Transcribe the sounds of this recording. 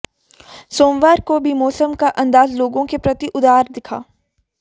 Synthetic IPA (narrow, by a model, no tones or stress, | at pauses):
soːmʋaːɾkobʱimɔːsəmkaʔɐ̃nd̪aːzloːɡõkepɾɐt̪iʔʊd̪aːɾd̪ɪkʰa̰ː